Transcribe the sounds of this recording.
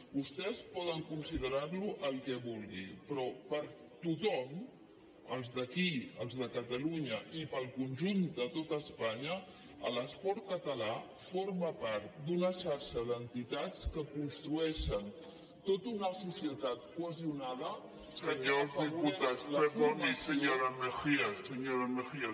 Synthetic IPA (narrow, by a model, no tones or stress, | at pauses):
bust̪ɛspɔðəŋkunsiðəɾarluʔəlˠkɛβulˠɣipɾɔpəɾ | t̪ut̪ɔm | əlˠzðəkiəlˠzðəkət̪əluɲəʔipəlˠkunʲʒund̪ət̪ot̪əːspaɲə | ələspɔɾt̪̚kət̪əla | foɾməpaɾt̪̚d̪unəʃaɾʃəðənt̪it̪at͡skəkunst̪ɾuɛʃən | t̪ot̪unəsusiət̪at̪kwəziunaðə | səɲozðiput̪asleomisəɲoɾamexiasəɲoɾamesia